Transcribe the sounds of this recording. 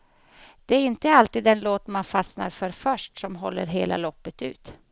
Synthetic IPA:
d̪̥ɛæɾɪnt̪əalt̪iːd̪ɛnloːt̪manfasna̰ɾfœɾfœʂʈsɔmɦɔlːə̰ɾɦḛːlʔa̰lɔpːət̪ʉ̟̰ːt̪

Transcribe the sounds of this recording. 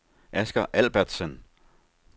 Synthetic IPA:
ʔæsɡ̥ɐʔæl̰b̥ɐd̥sən

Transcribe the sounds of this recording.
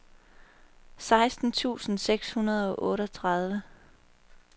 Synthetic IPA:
sɑ̈ɪsd̥n̩t͡sʰṵːsn̩seɡ̥shunɐð̞ˠɒ̽ʔɔ̽ːɾəɒt͡sʰʁɑð̞ˠʋə

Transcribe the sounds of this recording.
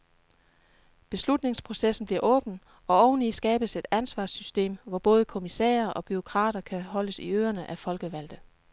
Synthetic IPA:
b̥e̝slud̥ne̝ŋspʰʁo̝sesn̩b̥liɐ̰ʔɔ̽ːb̥n̩ | ɒ̽ɒʊn̩lisɡ̥ɛːb̥əse̝d̥ænsʋɑ̰̈ːsysd̥e̝̰ːmʋɒb̥ɔ̽ːð̞̩ˠəkʰo̝misɛ̰ːɐʔɒ̽b̥yʁo̝kʰʁɑ̰̈ːɾ̥ɐkʰæɦɒ̽ləsiø̰ːɐnəʔæfɒ̽lɡ̥əʋæl̰d̥ə

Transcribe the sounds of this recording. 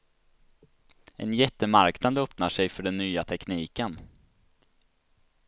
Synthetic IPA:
ʔɛ̰njɛt̪ːəmaɾknad̪ɵpnaʂɛjfœɖɛnːyːat̪ʰɛkniːkən

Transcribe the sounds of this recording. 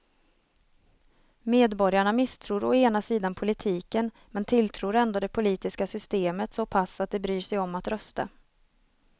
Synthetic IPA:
meːd̪bɔɾjaɳamɪst̪ʰɾuːɾɔeːnasiːd̪anpʰʊlɪt̪ʰiːkən | mɛnt̪ʰɪlt̪ʰɾuːɾɛnd̪oːd̪ɛpʰʊliːt̪ɪskasʏst̪eːmət̪sɔpʰasːat̪̚d̪ɛbɾyːʂɛjɔmːat̪ɾœst̪a̰

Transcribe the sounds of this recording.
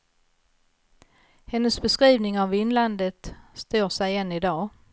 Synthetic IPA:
hɛnːəsbɛskɾiːvnɪŋavɪnland̪ət̪st̪ʰoːʂɛjɛnːɪd̪ɑː

